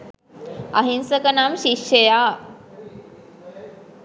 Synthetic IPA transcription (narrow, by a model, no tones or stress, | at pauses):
ɐɦinsəkənamʃikʃəja